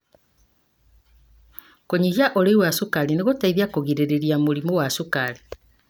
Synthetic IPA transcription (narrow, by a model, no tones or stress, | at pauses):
koɲiɣjaʔoɾeiwasukaɾineɣotaiðjakoɣiɾeɾeɾiamuɾimowasukaɾi